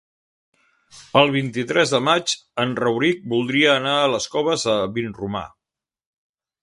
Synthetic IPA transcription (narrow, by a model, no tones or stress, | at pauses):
əlˠβ̞int̪it̪ɾɛzðəmat͡ʃənrəwɾik̚bulˠd̪ɾiəːnaələskɔβ̞əzəβinruma̰